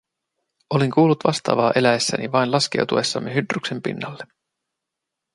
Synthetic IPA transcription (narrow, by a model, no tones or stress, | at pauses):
ʔo̞leŋkuːlːut̪ʋɑst̪ɑ̰ːʋɑːʔe̞læesːænʔiʋɑjnlɑsk̟e̞̰wt̪ue̞sːɑ̰mːeɦyd̪rykse̞mpḭnːɑlːe̞